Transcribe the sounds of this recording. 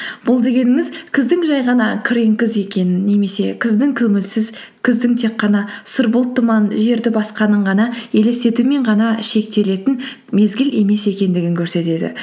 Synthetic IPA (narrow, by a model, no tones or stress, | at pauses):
b̥ʊlˠd̪e̞ɡʲe̞nɪmɪzkʲʰɪzd̪ɪŋʒɑjʁɑnɑkʲʰɪɾe̞ŋkʲɪze̞kʲe̞nɪnːe̞me̞se̞kʲʰɪzd̪ɪŋkʲʰɵŋɪlsɪz | kʲʰɪzd̪ɪŋt̪ʰe̞qːɑnɑsəɾbʊlˠt̪ʰːʊmɑnʒe̞ɾd̪ɪbɑsqɑnəɴʁɑnɑe̞le̞st̪e̞t̪ume̞ɴʁɑnɑʃe̞k̚t̪e̞le̞t̪ɪn | me̞zɡʲɪle̞me̞se̞kʲe̞nd̪ɪɡʲɪŋkʲʰɵɾse̞t̪e̞d̪ɪ̰